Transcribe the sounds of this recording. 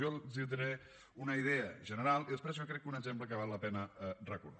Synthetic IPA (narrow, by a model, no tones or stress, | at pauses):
olzid̪ɾe | unəiðɛəʒənəɾalˠiðəspɾɛzokɾɛkːunəɡzempləkəβ̞alˠːəpɛnəɛrəkuɾða